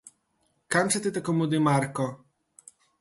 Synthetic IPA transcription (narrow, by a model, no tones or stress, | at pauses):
kamsɛt̪ɨt̪akɔmud̪imaɾkɔ